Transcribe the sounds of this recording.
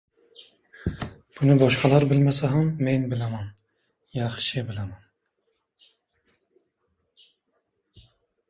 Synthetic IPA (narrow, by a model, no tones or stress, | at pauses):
b̥ʊnɪbɒʃqʰɑlˠaɾbɪlmasaɦamːenbɪlaman | jɑχʃɪbɪlaman